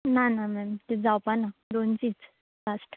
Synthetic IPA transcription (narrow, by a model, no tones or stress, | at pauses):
nanamɛmt̪id͡zawpanadont͡sit͡s | lasʈ